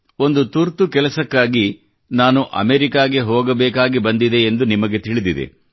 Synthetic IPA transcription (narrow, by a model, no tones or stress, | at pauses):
o̞nd̪ut̪uɾt̪ukɛlɐsɐkːaːɡi | naːnuʔɐ̰meɾikaːɡeɦɔːɡɐbɛːkaːɡibɐnd̪id̪e̞ːnd̪unimɐɡe̞t̪iɭid̪id̪ḛ